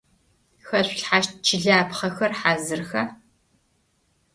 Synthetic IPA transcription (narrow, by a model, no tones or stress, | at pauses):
xɐɕʷɬħaːʃt̚t͡ʃʰɪɮaːpχɐxɐrħaːzɨrxɐ